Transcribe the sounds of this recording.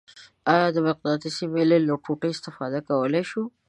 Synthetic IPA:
ɑjɑd̪əmɪq̚d̪ɑt̪isimeleloʈʰuʈəɪst̪ɪfɑd̪akawəleʃu

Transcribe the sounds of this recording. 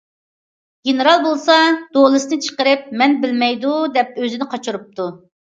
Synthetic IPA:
ɡʲenɨɾɑlˠbolˠsɑd̪̥olˠɨsnɨt͡ʃʰə̥qəɾɪp̚mɛnbɪlmɛjd̪ud̪ɛp̚øzɪnɪqʰɑt͡ʃʰuɾup̚t̪ʰu

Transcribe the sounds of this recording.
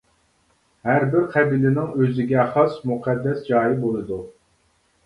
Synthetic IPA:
hæɾbɪɾqʰɛbilɪnɪŋøzɪɡʲɛχɑsmuqʰɛd̪ːɛsd͡ʒɑːjibolˠɨd̪u

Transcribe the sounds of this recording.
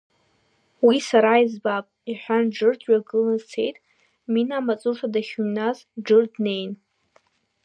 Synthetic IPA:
wisaɾaizbapʼiħʷᶣanɖ͡ʐɨrdʰɥᶣaɡɨlɨzt͡sʰe̞jtʼ | minamat͡sʼuʂʰadaχʲumnaz | ɖ͡ʐɨrdne̞jn

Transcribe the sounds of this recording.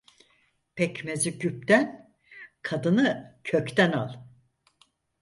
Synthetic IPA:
pʰɛcmeziɟyp̚t̪æn | kʰad̪ɯnɯcʰøct̪ænalˠ

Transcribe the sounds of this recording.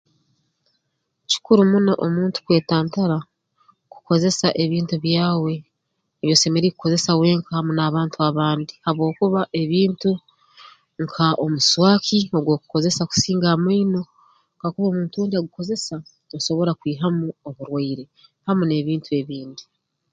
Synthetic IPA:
ci̥kuɾumunoʔomuːntu̥kwe̞ːtaːntaɾa | ku̥ko̞ze̞saʔe̞βiːntuβjaːwe̞ː | βjo̞ːse̞meɾikuko̞ze̞sawe̞ːŋkʰahamunaβaːntuaβaːndihaβwo̞ːkuβaʔe̞βiːntu | ŋkʰaʔomuswaːkioɡwo̞ːku̥ko̞ze̞saku̥siːŋɡamwiːno̞ | ŋkakuβoːmuːntuwuːndiaɡuko̞ze̞sa | oso̞βo̞ɾakwiːɦamuoβuɾwaiɾe̞hamune̞βiːntue̞βiːndi

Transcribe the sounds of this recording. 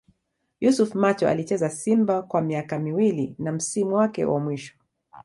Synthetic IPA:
jusufmat͡ʃɔa̰lit͡ʃɛzasimbakwamiakamiwilinam̩simuwakɛ̰wʔa̰mwiʃɔ̥

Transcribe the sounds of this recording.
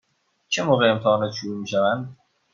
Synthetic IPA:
t͡ʃʰemoːʁeemt̪ʰɛhɒːnɒːt̪ʃoɾuːmiːʃævænd̪

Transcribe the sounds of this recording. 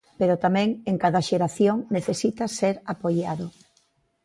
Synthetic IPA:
peɾʊt̪amɛ̃ŋeŋkaðaʃeɾaθjoŋneθesit̪ɐseɾapoʎaðʊ

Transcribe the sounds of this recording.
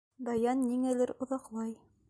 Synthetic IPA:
d̪ɑjɑnːiŋælɘɾŏðɑqlˠɑj

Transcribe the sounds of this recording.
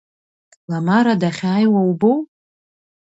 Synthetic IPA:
lamaɾadaχʲaːjwawbow

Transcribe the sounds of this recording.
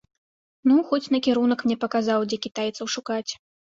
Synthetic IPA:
nuxɔt͡sʲnɐkʲɛɾunɐkmnʲɛpɐkazawd͡zʲɛkʲit̪ajɛt̪sɐwʂukat͡sʲ

